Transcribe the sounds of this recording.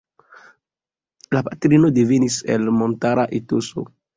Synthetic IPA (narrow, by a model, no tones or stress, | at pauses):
lapatɾino̞devenise̞̰lmo̞ntaɾaʔitoso̰